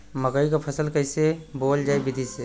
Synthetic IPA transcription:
məɡəikapʰəsəlkəisebold͡ʒajbid̪ʱise

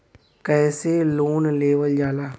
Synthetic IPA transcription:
kɛːseloːnleːʋəld͡ʒaːlaː

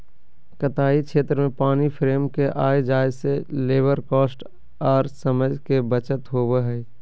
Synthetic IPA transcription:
kət̪aːikʃeːt̪ɾəmẽpaːnipʰɾeːmkeʔaːed͡ʒaːjseleːbəɾkɔːsʈ | aːɾsəməd͡ʒʱkebət͡ʃət̪ɦoːbeɦɛː

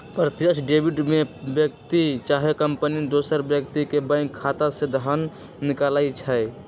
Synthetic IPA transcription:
pɾət̪jəʃɖeːbiɖmẽbjək̚t̪it͡ʃaːɦekəmpənid̪oːsəɾbjəkt̪ikebə̃kʰːaːt̪ased̪ʱaːnːɪkaːlaːit͡ʃʰɛj

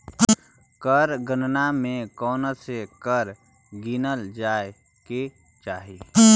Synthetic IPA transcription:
kəɾɡənnamẽkɔːnəsekəɾ | ɡinəld͡ʒaːe | ke | t͡ʃaːɦi

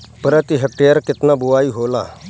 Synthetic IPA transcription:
pəɾət̪iɦək̚ʈejəɾkit̪nabuʋaiːɦola̰

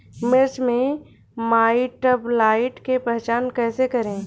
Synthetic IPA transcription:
mɪɾt͡ʃmẽ | maːiʈəblaːɪʈkepɛɦt͡ʃaːnkɛːsekɐɾẽː

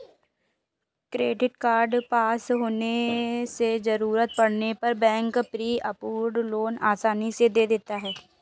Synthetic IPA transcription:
kɾeːɖɪʈkaːɾɖpaːsɦoːnesezəɾuːɾət̪̚pɐɽnepɐɾbɛ̃ːŋkpɾiːʔəpuːɾɖloːnaːsaːnised̪eːd̪eːt̪aɦɛː

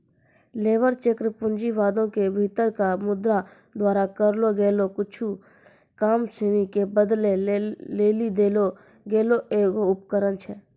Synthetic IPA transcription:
leːʋəɾt͡ʃekɾəpʊ̃nd͡ʒiʋaːd̪õkebʱit̪əɾkamʊd̪ɾa | d̪waːɾakəɾloɡeːlokʊt͡ʃʰu | kaːmsenikebəd̪leleːlid̪eːlo | ɡeːloeːkoʊp̚kəɾənt͡ʃʰɛ

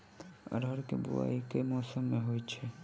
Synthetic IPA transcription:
ɾəɾkebṵa̰ikemɔːsəmːeɦojt͡ʃʰɛ

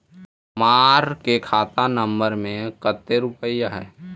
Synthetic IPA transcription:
maːɾkekʰaːt̪anə̃mbəɾmẽkət̪ːeɾʊpəijaɦɛ̰ː

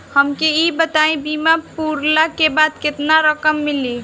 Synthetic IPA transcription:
həmkeibət̪aĩbimapuɾlakebad̪ket̪naɾəkəmːili

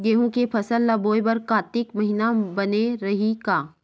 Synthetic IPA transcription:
ɡeːɦũkepʰɐsəlːɐboːjbɐɾkaːt̪ɪkmɐɦinabɐneɾɐɦikaː

